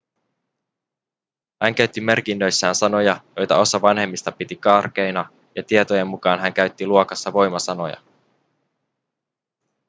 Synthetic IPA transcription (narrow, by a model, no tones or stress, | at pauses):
hæŋk̟æɥt̪ːime̞rk̟inːø̞jsːæːnsɑno̞jɑjo̞jt̪ɑo̞sɑʋɑnhe̞mːist̪ɑpit̪ikɑːrk̟ejnɑ | jɑt̪iet̪oje̞mːukɑːnɦæŋkæɥt̪ːiluokɑsːɑʋo̞jmɑsɑno̞̰jɑ̰